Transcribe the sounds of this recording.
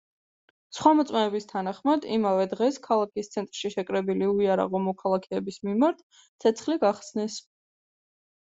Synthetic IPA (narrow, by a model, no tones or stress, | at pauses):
sχwamɔt̪sʼmɛːbist̪ʰanaχmad̪ḭmavɛd̪ʁɛskʰalˠakʰist̪sʰɛnt̪ʼɾʃiʃɛkʼɾɛbiliuiaɾa̰ʁɔmɔkʰalˠakʰɛːbismimaɾt̪ʰ | t̪sʰɛt̪sʰχliɡaχsnɛs